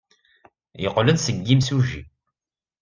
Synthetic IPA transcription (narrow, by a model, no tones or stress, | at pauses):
jəqːlənsəɡːimsuʒḭ